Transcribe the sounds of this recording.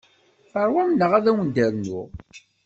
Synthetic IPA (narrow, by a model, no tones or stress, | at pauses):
fəɾˤwæmnːəʁæðæwənd̪æɾnʊ̰ʁ